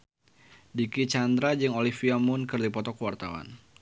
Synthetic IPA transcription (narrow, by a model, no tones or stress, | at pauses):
dikit͡ʃand̪ɾad͡ʒɨŋolifiamʊnkɨrdipɔt̪ɔkəwart̪awa̰n